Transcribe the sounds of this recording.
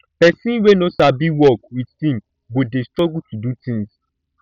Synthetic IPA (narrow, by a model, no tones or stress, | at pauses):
pɛsĩnwenosabiwɔk̚wittĩm | bodestɹɔɡutudutĩŋs